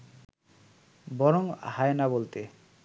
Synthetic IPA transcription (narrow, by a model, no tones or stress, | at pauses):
bɔɾoŋhaenabolt̪e